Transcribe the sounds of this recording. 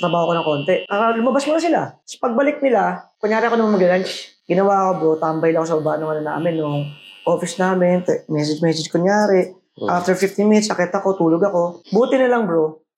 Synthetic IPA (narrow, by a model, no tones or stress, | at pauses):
t̪ɾɐbaːhokonɐŋko̞ːnt̪ɛpaːɾɐlʊmɐbasmʊnɐsɪlasɐ̥pɐɡ̚bɐlɪk̚nɪlakʊɲjaːɾɪʔɐkoɐmɐnmɐɡɐɾant͡ʃ | ɡɪnɐwaɐko̞bɾot̪aːmbɐjlɐkosɐbɐbaːnoŋɐnɐnɐʔa̰ːmɛnːoŋʔo̞ːfɪsnaːmɪnt̪ɛmɛsɛd͡ʒmɛs̬ɛd͡ʒkʊɲjaːɾɛʔ | ʔaft̪ɛɹfɪft̪ɪmɪt̪sʔɐkɛt̪ɐko̞t̪uːloɡɐko̞buːt̪ɪnɪlɐŋbɹo